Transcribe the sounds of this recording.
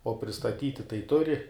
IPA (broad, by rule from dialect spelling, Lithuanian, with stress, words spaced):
oː pʲrʲɪstɐˈtʲiːtʲɪ tɐɪ ˈtʊrʲɪ